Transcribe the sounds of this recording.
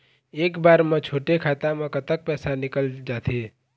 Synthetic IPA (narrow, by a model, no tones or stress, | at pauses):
eːkbaːɾmãt͡ʃʰoːʈekʰaːt̪amãkət̪ək̚pɛːsanɪkəld͡ʒaːt̪ʰe